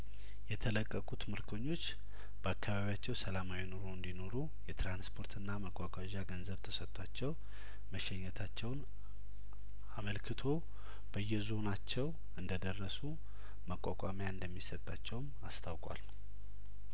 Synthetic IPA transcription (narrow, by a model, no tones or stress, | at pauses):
jɛt̪ʰələkʼːəkʼut̪mɨɾkʰo̞ɲːo̞t͡ʃː | b̥əakʰːaβaβijat͡ʃːɛwsəlamawino̞ɾo̞ɨnd̪ino̞ɾu | jɛt̪ɾanspʰo̞ɾt̪ʰɨnːaməkʼːakʼaʒaɡənzəβt̪ʰəsət̪ʼːat͡ʃːɛw | məʃɛɲːɛt̪ʰat͡ʃːɛwn | aməlkʰɨt̪ʰo̞ | b̥əjːɛzo̞nat͡ʃːɛw | ɨnd̪əd̪ərːəsu | məkʼakʼamjaɨnd̪əmːisət̪ʼːat͡ʃːɛwmast̪ʰawkʼwa̰l